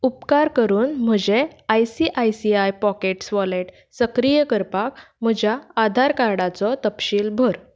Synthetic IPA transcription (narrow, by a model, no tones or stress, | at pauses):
upkaɾkəɾuːnm̤əd͡ʑeajsiʔajsiajpɔkeʈsʋɔleʈ | səkɾijəkəɾpak | m̤əd͡ʑjaːd̪ʱaɾkaɾɽat͡sɔt̪əpɕiːlbʱəɾ